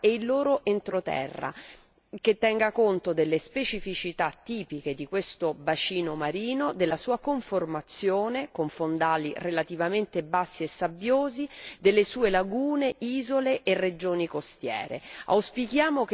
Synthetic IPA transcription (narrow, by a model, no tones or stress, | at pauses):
eilːoːɾoʔent̪ɾot̪ɛ̰rːa̰ | k̟et̪ːɛŋɡakont̪od̪elːespet͡ʃifit͡ʃit̪at̪ːiːpiked̪ikwest̪obat͡ʃiːnomaɾiːnod̪elːasuːakoɱformat̪sːjoːnekoɱfond̪aːlirelat̪ivament̪ebasːiesːabjoːzid̪elːesuːelaɡuːneʔiːzoleʔerːed͡ʒoːnikost̪jɛ̰ːɾḛa̰wspik̟jaːmok